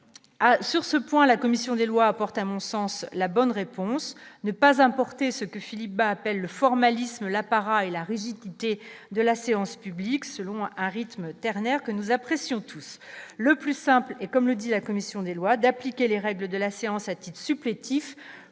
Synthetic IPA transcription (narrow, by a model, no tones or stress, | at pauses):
asyʁsəpwɛ̃lakɔmisjɔ̃d̪elwaːpɔʁt̪amɔ̃sɑ̃slabɔnʁepɔ̃snəpazɛ̃pɔʁt̪esəkəfilip̚baːpɛlːəfɔʁmalisməlapaʁaelaʁiʒid̪it̪ed̪əlaseɑ̃spybliksəlɔ̃ɛ̃ʁit̪mt̪ɛʁnɛʁkənuzapχesjɔ̃t̪ʰusləplysɛ̃plɛkɔmləd̪ilakɔmisjɔ̃d̪elwad̪aplikʲeleʁɛɡləd̪əlaseɑ̃sat̪it̪χsyplet̪ʰif